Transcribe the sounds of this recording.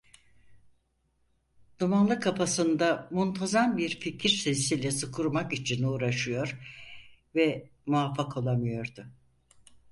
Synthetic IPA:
d̪̥umanlˠɯkʰːafasɯnd̪amunt̪ʰazanbiɾficʰiɾsesilʲɛsɯkʰuɾmakit͡ʃʰinuːɾaʃɯjo̞ɾ̥ | vɛ | muafːakʰo̞lˠamɯjo̞ɾd̪ʊ

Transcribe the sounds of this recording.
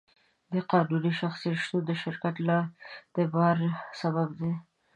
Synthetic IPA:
d̪əqɑnuniʃaxsiiʃt̪od̪əʃɪɾkat̪lad̪̥əbɑɾsababd̪e

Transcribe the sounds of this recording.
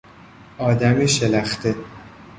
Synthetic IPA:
ʔɒːd̪æmiːʃelæxt̪e

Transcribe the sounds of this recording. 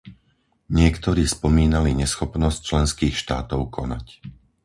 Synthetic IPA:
ɲɪɛkt̪ɔɾiːspɔmiːnaliɲɛsxɔpnɔsc̚t͡ʃlɛnskiːxʃt̪aːt̪ɔʊkʰɔna̰c

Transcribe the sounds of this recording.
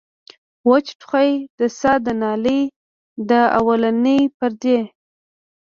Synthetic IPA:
wat͡ʃʈχajd̪̥əsɑd̪ənɑləj | d̪əa̰walanəjpəɾd̪e

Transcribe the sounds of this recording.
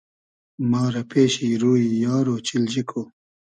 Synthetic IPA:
mɑːɾɐpʰeːɕiɾuːijɑːɾoːt͡ɕild͡ʑikʰoː

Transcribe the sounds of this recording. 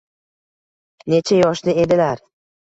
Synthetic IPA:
ne̞t͡ʃʰajɒʃnɪe̞d̪ɪlaɾ

